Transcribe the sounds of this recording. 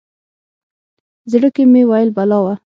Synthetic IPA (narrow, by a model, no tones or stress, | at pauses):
zəɽokemewajɪlbalɑwa